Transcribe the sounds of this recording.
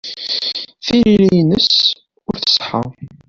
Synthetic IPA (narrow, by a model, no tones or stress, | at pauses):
θililijnəs | ʊɾθə̥sˤħə̰